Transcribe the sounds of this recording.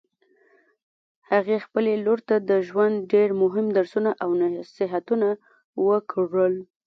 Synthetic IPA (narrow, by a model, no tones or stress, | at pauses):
haɣexpəleloɾt̪ad̪əʒwand̪̚ɖeɾmʊɦɪmd̪aɾsunaʔawnasɪɦat̪una | wəkʰɽəl